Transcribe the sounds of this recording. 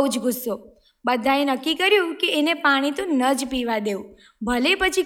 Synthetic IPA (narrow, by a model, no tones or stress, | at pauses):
ud͡ʒɡʱʊsːo | bəd̪ʱaenəkːikəɾjũkeːnepaɽ̃it̪ũnəd͡ʒpiʋad̪eũ | bʱəlepət͡ʃʰi